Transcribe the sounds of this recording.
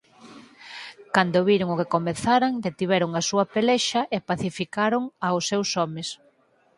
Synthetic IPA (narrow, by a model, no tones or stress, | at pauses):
kand̪oβiɾoŋʊkekomeθaɾaŋd̪et̪iβɛɾoŋasuɐpelɛʃɐʔepaθifikaɾoŋaʊsːewsɔmes